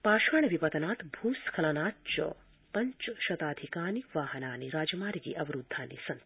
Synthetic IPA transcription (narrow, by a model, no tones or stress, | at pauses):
paːʃaːɳɐʋipɐt̪ɐnaːt̪bʱuːskʰɐlɐnaːt̪t͡ʃɐ̰ | pɐɲt͡ʃʃɐt̪aːd̪ʱikaːniʋaːɦɐnaːniɾaːd͡ʒɐmaːɾiɡḭʔɐʋɐɾud̪ʱːaːnḭsɐnt̪